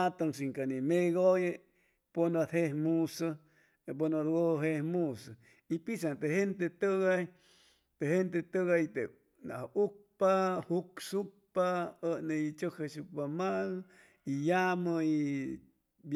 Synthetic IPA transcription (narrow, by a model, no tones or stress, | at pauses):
t̪oŋs̬iŋkanimeɣoje | ponot̪hehmusa | p̬onoɾɡoɦehmusa | ipisat̪ehent̪et̪əɣaj | t̪ehent̪et̪əɣajt̪e | na̰huk̚pahuksuk̚paənet͡ʃokhasuk̚pamal | ijaməi | b